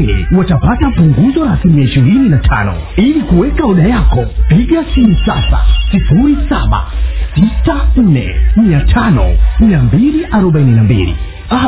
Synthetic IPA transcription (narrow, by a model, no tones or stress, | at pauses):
ɛ̰watapatapuŋɡuzɔɾasimiaiʃiɾininatʰa̰nɔ̰ | ilikuwɛkauɗajakɔpiɡasiisasa̰sifuɾisa̰ɓa̰sitan̩nɛ̰miatʰanɔ̰miambiliʔaɾɔɓaininambḭlḭ | a